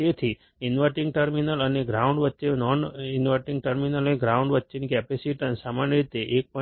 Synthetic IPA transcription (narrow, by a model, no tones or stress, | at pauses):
et̪ʰi | ɪnʋəɾʈĩŋɡ̚ʈəɾminələneɡɾaũɳɖʋətːʃenɔninʋəʈĩŋɡʈəɾminələneɡɾauɳɖʋətːʃenikɛpesiʈənsamanjəɾit̪eʔek̚pə